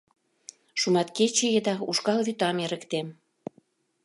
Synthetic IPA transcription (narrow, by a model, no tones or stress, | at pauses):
ʃumɑt̪̚ket͡ɕejĕd̪ɑuʃkɑlβyt̪ɑmeɾə̆kt̪em